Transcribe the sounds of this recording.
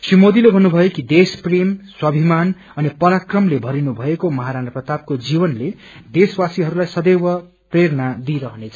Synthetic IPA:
simod̪ilebʱʌnːubʱʌjokid̪esprimswʌbʱiman | ʌnipʌɾakrʌmlebʱʌɾinubʱʌekomʌɦaɾanʌprʌt̪ab̚kod͡zibʌnle | d̪eswasiɦʌɾulajsʌd̪ewʌ | preɾʌnad̪iɾʌɦʌnet͡sʰʌ̥

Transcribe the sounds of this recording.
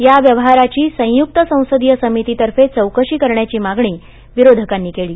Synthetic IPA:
jaʋjəʋəɦaɾat͡ɕiːsə̃juk̚t̪əsə̃w̃səd̪ijəsəmit̪it̪əɾfet͡səwkəɕiːkəɾɳjat͡ɕiːmaɡɳiː | ʋiɾod̪ʱəkanːiːkeɭiː

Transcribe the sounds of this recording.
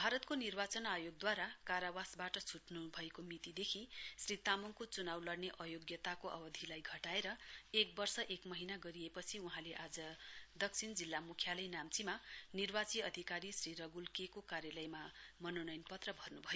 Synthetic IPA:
bʱaɾʌt̪konirbat͡sʌnajoɡ̚d̪waɾakaɾawasbaʈʌsʰuʈnubʱʌekomit̪id̪ekʰisrit̪amoŋkot͡sunawlʌɽneʔʌjoɡjʌt̪akoʔʌ̰bʌd̪ʱilajɡʱʌʈaeɾʌek̚bʌrsʌʔekmʌɦinaɡʌɾiepʌt͡sʰiuɦãleʔad͡zʌd̪ʌksʰind͡zilːamukʰjalʌjnamt͡simanirbat͡siʌd̪ʱikaɾisriɾʌɡulkekokaɾjʌlʌjmamʌnonʌjnpʌt̪rʌbʱʌrnubʱʌjo

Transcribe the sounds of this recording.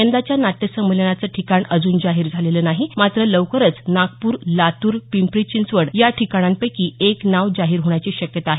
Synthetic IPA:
ənd̪at͡ɕjanat̪ːəsəmulənat͡səːʈʰikaɳəd͡zuːnd͡zaɦiːɾd͡zʱalelənaɦimat̪ɾələʋkəɾət͡snak̚puːɾlat̪uːɾpimpɾit͡ɕint͡sʋəɽjaʈʰikaɽ̃anpəjkiːeknaʋd͡zaɦiːɾɦoɳ̃jat͡ɕiːɕəkjət̪aːɦe

